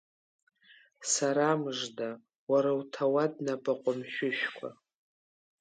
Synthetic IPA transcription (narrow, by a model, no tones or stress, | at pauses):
saɾamɨʐda | waɾawtʰawadnapʼaqʷʼʊmʃᶣʊʃᶣkʷʰa̰